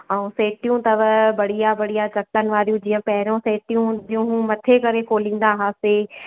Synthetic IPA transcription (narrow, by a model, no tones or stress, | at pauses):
ɛũseːʈijũt̪ɐʋəbɐɽ̤ijabɐɽijat͡ɕɐk̚t̪ənɪ̆ʋaːɾijũd͡ʑĩːə̃pɐɦɪɾõseːʈijũd͡ʑjũmɐt̪ʰekɐɾekoːlĩːn̆d̪aɦaːse